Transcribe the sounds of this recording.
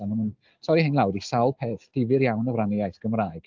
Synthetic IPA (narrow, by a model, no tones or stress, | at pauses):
anamən | sʰɔjhɪnlˠawdisawlˠpʰeːθd̥ɪvɨɾjawnəvranɪajθɡ̥əmraːɨɡ̥